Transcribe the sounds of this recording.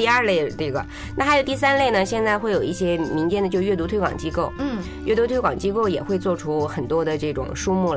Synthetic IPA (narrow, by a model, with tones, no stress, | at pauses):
ɐ˞˥˧le˥˩ɪli˥˩ɡə̰˩ | na˥˩xa˧˥ɪjo˨˩ʊt̪i˥˩sa˥nle˥˩ɪnə˩ɕjɛ˥˧nt͡sa˥˧ɪxwe˥˩ɪjo˨˩ʊi˥˩ɕjɛ˥mi˧˥ŋt͡ɕjɛ˥˩nd̪ə˩t͡ɕo˥˧ɥɛ˥˩t̪u˧˥t̪ʰwe˥ɪkwɑ̰˨˩ŋt͡ɕi˥ko˥˩ʊ | ɥɛ˥˩t̪u˧˥t̪ʰwe˥ɪkɑ˨˩ŋt͡ɕi˥ko˥˩ʊjɛ̰˨˩xwe˥˧ɪt͡swɔ˥˩ʈ͡ʂʰu˥xə˨˩nt̪wɔ˥d̪ə˨ʈ͡ʂɤ˥˩ʈ͡ʂʊ̰˨˩ŋʂu˥mu˥˩l